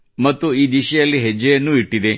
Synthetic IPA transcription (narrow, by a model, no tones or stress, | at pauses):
mɐt̪ːuiːd̪iʃɐjɐlːiɦed͡ʒːɐjɐnːuiʈːid̪e̞